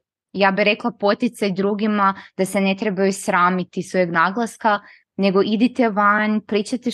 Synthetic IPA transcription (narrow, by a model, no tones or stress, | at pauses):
jaːbiɾe̞klˠapo̞t̪it̪sajd̪ɾuːɡimad̪asene̞t̪ɾebajusɾaːmit̪isʋojeɡnaɡlˠaska | ne̞ɡoʔid̪it̪eʋaɲpɾiːt͡ʃat̪e